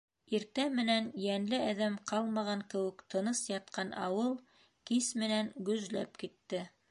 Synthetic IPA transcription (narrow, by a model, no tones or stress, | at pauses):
iɾt̪æmɘ̆nænjænlɘæðæmqɑlˠmɑʁɑŋkɘ̆wɘ̆kt̪ʰɤ̆nɤsjɑt̪̚qɑnɑ̰wɤlˠ | kismɘ̆nænɡɵ̆zlæ̰pkit̪ːɘ